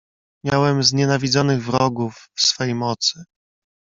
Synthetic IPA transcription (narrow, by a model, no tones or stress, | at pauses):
mʲjawɛmzɲɛnavʲidzɔnɘɣvɾɔɡufːsfɔjejmɔt̪sɘ